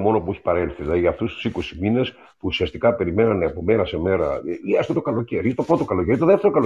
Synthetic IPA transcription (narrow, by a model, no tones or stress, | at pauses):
mo̞no̞pueçi̥pɐɾelθielɐðiɐːft̪ust̪u̥siko̞simine̞s | puːsiɐst̪ikɐpe̞ɾime̞nɐneɐpo̞meɾɐse̞me̞ɾɐ̰iɐst̪ot̪o̞kɐlo̞ceɾit̪o̞pɾo̞t̪o̞kɐlo̞ceɾit̪o̞ðeft̪eɾokɐlo